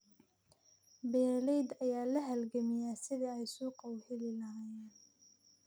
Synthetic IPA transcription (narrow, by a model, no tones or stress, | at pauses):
bɛːɾlɛjd̪ɐjaːlɐɦɐlɡɐmɪjaːsɪðiɛjsuːqɑwhɪlɪlɐɦaːjɛːn